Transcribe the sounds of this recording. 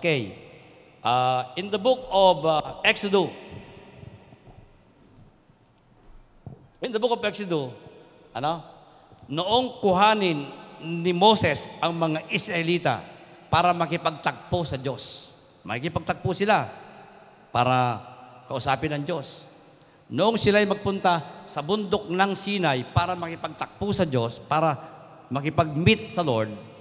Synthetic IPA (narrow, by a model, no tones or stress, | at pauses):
kɛj | ʔaʔɪnd̪ɐbʊk̚ovʔɛksʊd̪ʊ | ʔɪnd̪ɐbʊkovɛk̚sʊd̪ʊ | ʔɐno | noʔoŋkʊɦaːnɪnnɪmo̞sɛsʔɐŋmɐŋaʔɪsɾɐʔɪliːt̪a̰paːɾɐmɐkɪpɐɡ̚t̪ɐk̚posɐd͡ʒo̞s | mɐ̰kikɪpɐɡ̚t̪ɐɡ̚pʊsɪla | pa̰ːɾakɐʔʊsaːpɪnɐŋd͡ʒo̞s | nʊʔoŋsɪlajmɐɡ̚pʊnt̪asɐbʊnd̪ok̚nɐŋsiːnɐjpaːɾɐmɐkɪpɐɡ̚t̪ɐk̚pusɐd͡ʒo̞spaːɾɐ | mɐkɪpɐɡ̚mɪt̪̚sɐloɹd̪̚